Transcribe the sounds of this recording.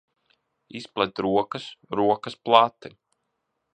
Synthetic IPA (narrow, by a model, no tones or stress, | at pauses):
isplˠɛt̪ɾuɔkəsɾuɔkɐsplˠat̪ːi